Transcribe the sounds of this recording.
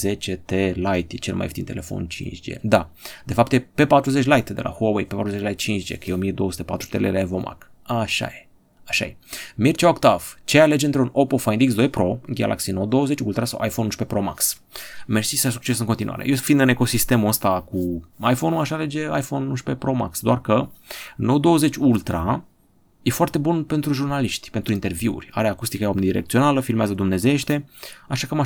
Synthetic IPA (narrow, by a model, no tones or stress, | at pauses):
ze̞t͡ʃet̪elajt̪jet͡ʃelma̰joft̪inele̞fo̰nt͡ʃḭnt͡ʃd͡ʒḛd̪ad̪e̞fap̚t̪jepe̞pat̪ɾuze̞t͡ʃʲlajt̪d̪e̞̰lʔa̰howejpe̞pat̪ɾuzet͡ʃlajt̪̚t͡ʃint͡ʃd͡ʒḛkjeomijed̪o̞osu̥t̪epat̪ɾu̥t̪elḛleevomʔa̰k | aʃa̰je | aʃa̰jemirt͡ʃaokt̪aft͡ʃejaled͡ʒeɨnt̪ɾunopofajind̪iks̬d̪o̞jpɾo̞ɡʲa̰lʔa̰ksinod̪o̞wəzet͡ʃkult̪uɾasa̰wʔa̰jfonuʃpepɾoma̰ks | mersisas̬uk̚t͡ʃesɨŋkont̪inṵa̰ɾʔejefind̪ɨne̞ko̞sist̪e̞muəst̪akuajfo̞nuaʃale̞d͡ʒe̞a̰jfo̞nːuʃpe̞pɾo̞ma̰ksd̪oarkənod̪o̞əze̞t͡ʃʲult̪ɾa | jefoart̪e̞bunpe̞nt̪ɾuʒurnaliʃt̪ʲpent̪ɾuint̪e̞rviṵrʲa̰ɾeakust̪ikəjomnid̪iɾek̚t̪sio̞naləfilmeazəd̪umne̞zeeʃt̪e̞aʃakəma